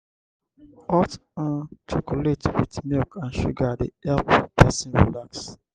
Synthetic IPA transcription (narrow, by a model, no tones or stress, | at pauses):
ɔtãntʰɹikuletwitmilkʰãnʃṵɡadeɛlppʰɛsĩnɹḭlaks